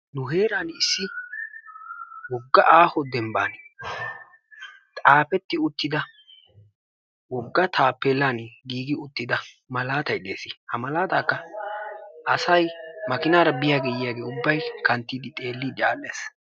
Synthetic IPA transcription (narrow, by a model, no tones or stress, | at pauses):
nʊɦe̞ːɾaːnɪsːɪ | wɔɡːɐʔaːhɔd̪ɛmbaːn | t̪ʼaːpɛt̪ːɪʊt̪ːɪd̪ɐ | wɔɡːɐt̪ʰaːpːelːaːnɡiːɡɪʊt̪ːɪd̪ɐ | mɐlaːt̪ɐjᶑḛːsɪhɐmɐlaːt̪aːkːɐ | ʔɐsɐjmɐkɪnaːɾɐbɪjaːɡɛjjaːɡe̞ːʊbːɐjkɐnt̪ːiːd̪ɪt̪ʼe̞ːlːɪᶑaːlːeːs